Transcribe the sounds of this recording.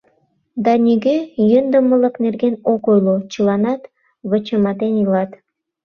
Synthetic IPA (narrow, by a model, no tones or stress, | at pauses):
d̪ɑnʲiɡejønd̪əməlˠɤ̆knerɡenokojlˠut͡ɕɯlˠɑnɑt̪ | βə̆t͡ɕəmɑt̪enjɯlˠɑt̪